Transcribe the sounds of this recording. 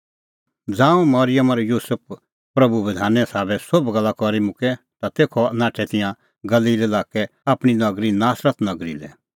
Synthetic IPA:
d͡zãːũmɐɾɪjəmɐɾjuːsəp̚ʰ | pɾɐbuʋɪd̪ʱaːnɛsaːbɛsobɡɐlːakɔɾimʊ̃kɛ | t̪at̪eːkʰɔnãːʈʰɛt̪ɪ̃jã | ɡɐliːlelaːkɛaːpɽ̃inɐɡɾinaːsɾət̪nɐɡɾḭlɛ̰

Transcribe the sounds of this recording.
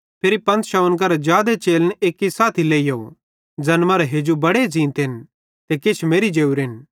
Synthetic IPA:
pʰeɾipɐ̃nt̪ʃaʊnkɐɾɛd͡ʒjaːd̪et͡ʃeːləneːkːisaːt̪ʰileːijo | d͡ʒɐnmaːɾeɦeːd͡ʒubɐɽed͡ʒĩːnt̪ɦɪn | t̪ekɪt͡ʃʰmeːɾid͡ʒeːuɾɦɪn

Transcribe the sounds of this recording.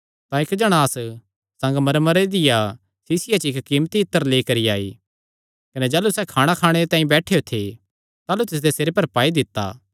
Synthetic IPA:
t̪ãɪkd͡ʒɐɽ̃aːs | sɐ̃ŋɡmɐɾmɐɾed̪ɪja | siːsɪjat͡ʃɪkkiːmt̪iɪt̪ːəɾleːkɐɾia̰ːḭ | kɐned͡ʒaːlusɛkʰaːɽ̃akʰaːɽ̃eɾet̪aːĩbɛːʈʰejot̪ʰe | t̪aːlut̪ɪs̬d̪eseːɾepɐɾpaːid̪ɪt̪ːa̰ː

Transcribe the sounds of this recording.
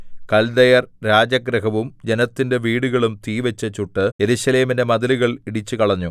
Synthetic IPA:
kɐld̪ɐjɐrɾaːd͡ʑɐɡɾɐhɐʋumd͡ʑe̞nɐt̪ːinde̞ʋiːɽuɣɐɭumt̪iːʋɐt͡ɕːɐt͡ɕːuʈːɨje̞ɾuɕɐle̞ːmindemɐðɐluɣɐɭiɽit͡ɕːukɐɭɐɲːu

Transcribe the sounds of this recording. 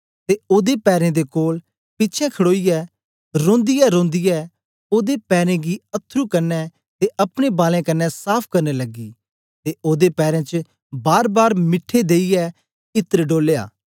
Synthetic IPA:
t̪eoːd̪epɛːɾẽd̪ekoːl | pɪːt͡ʃʰɛ̃kʰɐɽoːijɛ | ɾõːnd̪ɪjɛɾõːnd̪ɪjɛ | oːd̪epɛːɾẽɡiɐt̪ʰːɾukɐɾnɛ | t̪eʔɐpɽ̃ebaːlẽkɐnɛsaːpʰkɐɾnelɐɡiː | t̪eʔoːd̪epɛːɾẽt͡ʃə | baːɾbaːɾmɪʈʰːed̪eːijɛ | ɪt̪əɾɖoːleːa̰ː

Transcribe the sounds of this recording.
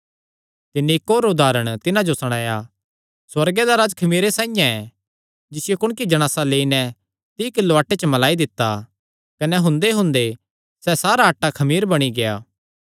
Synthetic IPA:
t̪ɪnːiɪkːoːɾʊd̪aːɾəɽ̃t̪ɪnãd͡ʒosɐɽ̃aːja | swɐɾɡed̪aɾaːd͡ʒkʰɐmiːɾesãːijãɛ | d͡ʒɪsɪjokʊɽ̃kid͡ʒɐɽ̃aːsaleːinɛ | t̪iːkɪlːoaːʈːet͡ʃəmɐlaːid̪ɪt̪ːa | kɐnɛɦʊ̃nd̪eɦʊ̃nd̪e | sɛsaːɾaɐʈːakʰɐmiːɾbɐɽ̃iɡejaː

